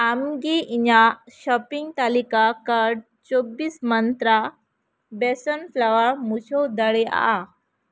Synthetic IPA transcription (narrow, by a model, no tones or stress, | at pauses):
amɡiʔiɲaɕɔpiŋɡt̪alikakaɾɖ̚ | t͡sobːiːsmənt̪ɾa | bɛsənflaʋamuɕɔwd̪əɭea̰a